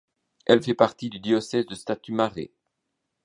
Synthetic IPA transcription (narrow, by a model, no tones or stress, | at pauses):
ɛlfɛpaʁt̪id̪yd̪jɔsɛzd̪əst̪at̪ymaʁḛ